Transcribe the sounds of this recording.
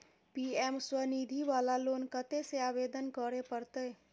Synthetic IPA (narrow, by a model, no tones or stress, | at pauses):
piɛmswənid̪ʱiʋalaloːnkət̪eseabed̪ənkəɾepəɾt̪ə